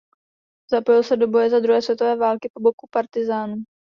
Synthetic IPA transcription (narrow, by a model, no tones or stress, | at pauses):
zapojɪlsɛdo̞bo̞jɛzad̪ɾuɦɛːsvjɛt̪ovɛːvaːlkɪpobo̞kupaɾt̪ɪzaːnu